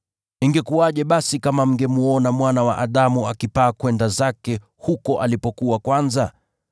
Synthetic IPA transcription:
iŋɡɛkuaʄɛɓasikamam̩ŋɡɛmuɔnamwanawa̰ʔaɗamuakipaːkwɛndazakɛ | hukɔʔalipɔkuwakwanza

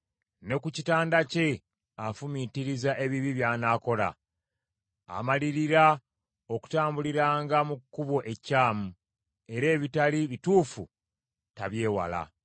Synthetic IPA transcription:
ne̞kucitaːndace̞ | afumitiɾizaʔe̞βiβiβjaːnaːko̞la̰ | a̰maliɾiɾa | o̞ku̥taːmbuliɾaːŋɡamukːuβo̞ʔe̞caːmu | e̞ɾe̞ːβitaliβituːfṵ | taβje̞ːwa̰la̰

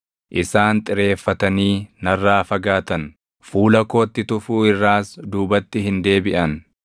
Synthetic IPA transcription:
ʔɪsaːnt̪ʼɪɾe̞ːfːɐt̪ɐniːnɐrːaːfɐɡaːt̪ɐn | fuːlɐko̞ːt̪ːɪt̪ʊfuːɪrːaːsd̪uːbɐt̪ːɪɦɪnd̪e̞ːbɪʔɐn

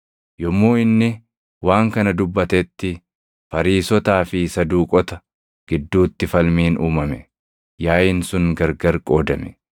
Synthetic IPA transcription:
jɔmːoːɪnːɪ | waːŋkɐnɐd̪ʊbːɐt̪ɛːt̪ːɪ | fɐɾiːsɔt̪aːfɪsɐd̪uːkʼɔt̪ɐ | ɡ̥ɪd̪ːuːt̪ːɪfɐlmiːnʔuːmɐmɛ | jaːjɪnsʊŋɡɐɾɡɐɾkʼo̞ːd̪ɐmɛ̥

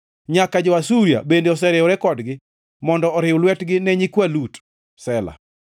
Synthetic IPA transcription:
ɲakad͡ʒɔwasuɾja̰bendeɔs̬ɛɾɪɔɾɛkɔdɡɪ | mɔndɔɔɾɪʊlwɛtɡɪnɛɲikwalut | sɛla̰

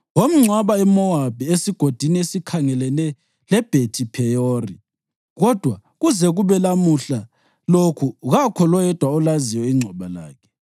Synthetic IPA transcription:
wom̩ŋ͡ǀʱwaβaɛmɔwab̥ʱiesiɡ̥ʱod̥ʱiniesikʰaŋɛlɛnɛ | lɛb̥ʱetʰʼipʰɛjoːrḭ | ɣɔd̥ʱwaɣuzɛɣuβɛlamuɬa | lokʰuɣakʰɔlɔjɛd̥ʱwaɔlaziwɛiŋ͡ǀʱɔβala̰ːkʰɛ̥

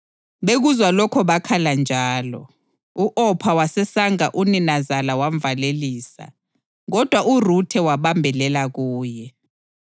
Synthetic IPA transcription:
ɓeɣuzwalɔkʰɔβakʰaland͡ʒʱaːlɔ̰ | uʔɔpʰawasɛsaŋaʔuninazalawaɱvaleliːsa̰ | ɣɔd̥ʱwaʔurutʰɛwaɓambʱɛlɛlaɣuːjɛ

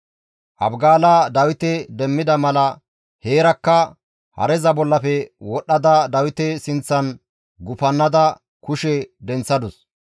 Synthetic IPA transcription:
ʔɐ̰bɡaːlad̪ɐwɪt̪ɛd̪ɛmːɪd̪ɐmɐlɐ | heːɾɐkːɐ | hɐ̰ɾɛzɐbɔlːɐfɛwɔɗːɐd̪ɐd̪ɐwɪt̪ɛsɪnt͡sːɐn | ɡʊfɐnːɐd̪ɐ | kʊʃɛd̪ɛnt͡sːɐd̪ʊs

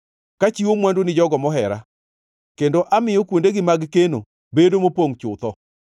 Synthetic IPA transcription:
kat͡ʃiwomwandonɪd͡ʒɔɡɔmɔɦɛɾa | kendoʔamɪjɔkwondeɡɪmaɡkeno̰ | bedomopoŋt͡ʃʊt̪ɔ

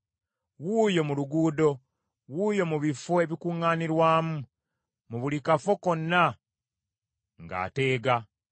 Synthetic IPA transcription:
wuːjo̞muluɡuːdo̞ | wuːjo̞muβifoeβikuŋːaːniɾwaːmu | muβulikafo̞ko̞nːa | ŋɡa̰ːte̞ːɡa

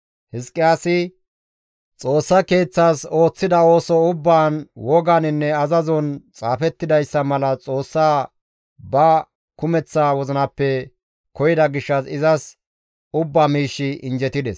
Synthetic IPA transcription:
hɪskʼːɪjaːsɪ | t͡sʼo̞ːsːɐke̞ːt͡sːaːso̞ːt͡sːɪd̪ɐo̞ːsɔʊbːaːnwɔɡanɪnːɛɐzɐzɔnt͡sʼaːfɛt̪ːɪd̪ɐjsːɐmɐlɐt͡sʼo̞ːsːaː | bɐ | kʊmɛt͡sːaːwɔzɪnɐpːɛ | kɔjɪd̪ɐɡɪʃːɐsɪzɐs | ʊbːaːmiːʃːɪɪnd͡ʒɛt̪ɪd̪ɛs

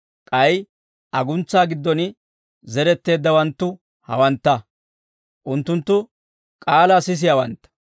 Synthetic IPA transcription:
kʼɐj | ʔɐɡʊnt͡sːaːɡɪd̪ːɔnɪ | zɛɾɛt̪ːe̞ːd̪ːɐwɐnt̪ːʊ | hɐ̰wɐnt̪ːɐ | ʔʊnt̪ːʊnt̪ːʊ | kʼaːlasɪs̬ɪjɐwɐnt̪ːɐ̥

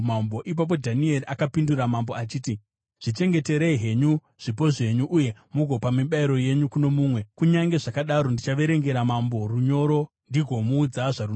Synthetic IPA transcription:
mambo̞ʔip̬ap̬o̞dʱanie̞riʔakapinduramambo̞at͡ʃiːti | ʐ̥it͡ʃe̞ŋɡe̞te̞ɾeiɦe̞ɲu | ʐ̥ip̬o̞ʐe̞ɲuʔːje̞muɡʱopamiɓaiɾo̞je̞ɲukuno̞muːmwe̞kuɲaŋɡe̞ʐakaɗaɾo̞ndit͡ʃaʋe̞ɾe̞ŋɡe̞ɾamambo̞ruɲo̞ɾo̞ | ndiɡʱo̞muːd͡zaʐaru

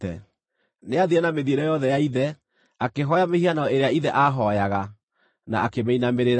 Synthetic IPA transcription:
ɛ̰ | neaðiɛnameðieɾɛjɔðɛjaiðɛ | akeɦɔjamehianaɔeɾeaiðɛʔaɦɔjaɣa | na̰akemeinameɾeɾ

